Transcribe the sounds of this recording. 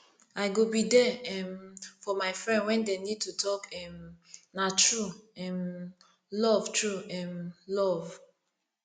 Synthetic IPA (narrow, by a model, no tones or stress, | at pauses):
aɪɡobidɛɛmfɔmaɪfɹɛ̃ndwɛ̃ndenid̚tutʰɔkɛmnatɹuɛm | lɔvtɹuɛmlɔv